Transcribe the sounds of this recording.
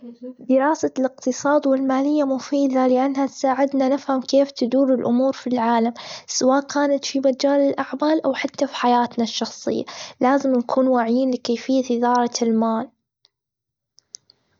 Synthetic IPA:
d̪ɪɾɑːsalɪqt̪ɨsˤɑːd̪wɪlmaːlɪjːamʊfiːd̪alɪʔanːhat̪saːʕɪd̪nanɪfhamkeːft̪ad̪uːɾɪlʔʊmuːɾfilʕaːlamsawaːʔkaːnat̪fimad͡ʒaːlɪlʔaʕmaːlʔawħat̪ːafiħajaːt̪naʃːɑxsˤɨ̰jːa̰laːzɪmnakʰuːnwaːʕɪjiːnlɪkeːfɪjːat̪ɪðɑːɾˤɑlmaːl

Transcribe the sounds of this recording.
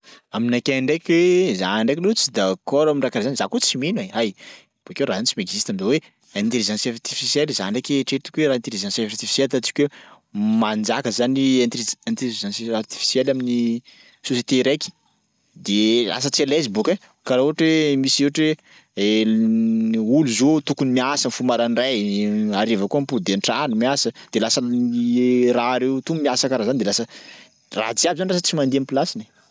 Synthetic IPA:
aminakeaɳɖ͡ʐekʲwezaɳɖ͡ʐekilut͡sid̪akɔɾaminɳrakaɾazanizakut͡simeneaj | b̥uakewɾazanit͡simeɡzist̪aminzawe | ẽnt̪eɾizãsaɾt̪ifisjelizaɳɖ͡ʐekʲeʈ͡ʂeɾt̪u̥kʲuweɾaent̪eɾizãsaaɾt̪ifi̥selt̪at͡si̥kʲwe | mand͡ʒakəzaniãnt̪ant̪iizãsart̪i̥fi̥sjelamini | soset̪eɾekʲi̥ | d̪ela̰s̬ət͡sielezibuke | kaɾauɦʈ͡ʂemiseɦʈ͡ʂe | e | uluzot̪ukunimiasənfumaɾanrajaɾevakuampud̪eɳʈ͡ʂanumiasəd̪̥elasə | raːɾewt̪ummiasakaɾazanid̪elasə | ra̰t͡siabizaniras̬ət͡simand̪iamipilasini

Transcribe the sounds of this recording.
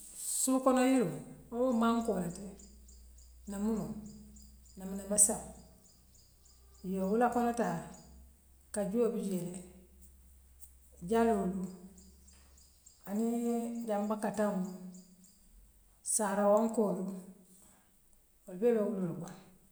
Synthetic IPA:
sukonojiluwowomaŋkolate | namunu | namanabasam | jowulakonota | kad͡ʒuobid͡ʒe | ɟaluulu | anid͡ʒambakatamu | saɾawoŋkolu | wolbelouloluba

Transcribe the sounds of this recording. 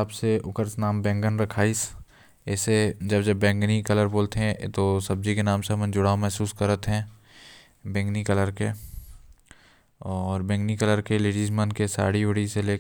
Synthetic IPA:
aːbseʊkəɾsnaːmbɛ̃ːŋɡənɾɐkʰaːis | ɛːsed͡ʒɐbd͡ʒɐbːɛ̃ːŋɡnikɐləɾboːlt̪eɦɛ̃t̪osɐb̚d͡ʒikenaːmsemə̃nd͡ʒʊɽaːomɛɦsuːskɐɾət̪ɦɛ̃ː | bɛ̃ːŋɡnikɐləɾke | ɔːɾbɛ̃ːŋɡnikələɾkeleːɖiːzmənkesa̰ːɽiʊɽiseleː

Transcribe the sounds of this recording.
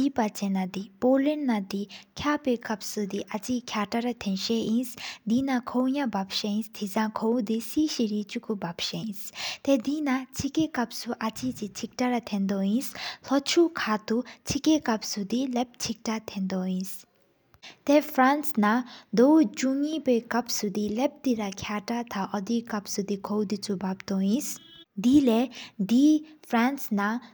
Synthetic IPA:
ipat͡ɕenad̪ipoːlinːad̪ikʰjapekap̚sud̪iʔat͡ɕikʰaʈaɾat̪ʰenʃejinsd̪inakʰowɲabap̚ʃeinst̪ʰizãŋkʰowd̪isiːɕiɾit͡ɕukubapʃeinst̪ed̪inat͡ɕʰikekap̚suʔat͡ɕit͡ɕit͡ɕʰik̚ʈaɾat̪ʰend̪ojinslʌt͡ʃʰukʰat̪ut͡sʰikekapsud̪ilep̚t͡sʰik̚ʈat̪ʰend̪oĩs | t̪epʰɾansnad̪owd͡ʒuŋibejkʌpsud̪ilep̚d̪iɾakʰjaʈat̪ʰaʔʌd̪ikapsud̪ikʰowd̪it͡sʰubapt̪oĩsd̪iled̪ipʰransna

